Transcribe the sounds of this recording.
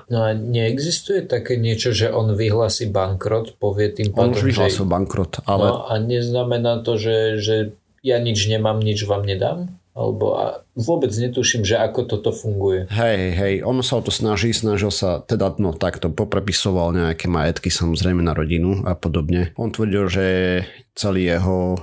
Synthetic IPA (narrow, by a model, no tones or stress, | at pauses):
nɔaɲɛɛɡzist̪ujɛt̪akɛːɲɪɛt͡ʃɔʒɛʔɔnʋiɦlaːsiːbaŋkɾɔt̪pɔʋɪɛt̪impaɔːnʋiɦlaːsilˠbaŋkɾɔt̪alɛaɲɛznamɛnaːt̪ɔʒɛʒɛ | jaɲid͡ʒɲɛmaːmɲid͡ʒʋaːmɲɛd̪a̰ːm | a̰lɛ̰bɔ̰a̰ʋʊɔbɛd͡zɲɛt̪uʃimʒɛakɔt̪ɔt̪ɔfuŋɡujɛɦɛjɦɛjɦɛjʔɔnsaɔt̪ɔsnaʒisnaʒilsat̪ɛd̪anɔt̪akt̪ɔpɔpɾɛpisɔʋalɲɛakɛmajɛt̪kisamɔzɾɛɪmɛnaɾɔɟinuapɔd̪ɔbɲɛɔnt̪ʋr̩ɟilʒɛ | t͡sɛliːjɛɦɔ